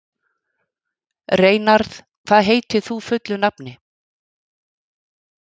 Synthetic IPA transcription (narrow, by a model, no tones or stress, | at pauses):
reːjnaɾθ | kʰv̥aːðɦeːjt̪ɪθufʏt̪lʏnapnɪ